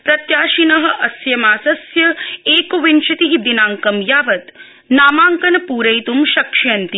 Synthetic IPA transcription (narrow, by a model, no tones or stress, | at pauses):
pɾɐt̪jaːʃinɐɦɐ̆ʔɐsjɐmaːsɐsjɐeːkɐʋinʃɐt̪iɦid̪inaːŋkɐmjaːʋɐt̪ | naːmaːŋkɐnɐpuːɾɐjt̪umʃɐkʃjɐnt̪i